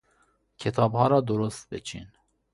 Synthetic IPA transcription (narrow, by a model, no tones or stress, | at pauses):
kʰɛt̪ʰɑbhɑɾɑːd̪oɾust̪̚bɛt͡ʃʰḭn